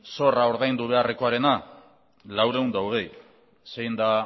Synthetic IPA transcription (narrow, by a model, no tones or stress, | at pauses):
so̞rao̞ɾðajnd̪uβ̞e̞areko̞aɾe̞na | lawɾe̞und̪awɣ̞ej | sejnd̪a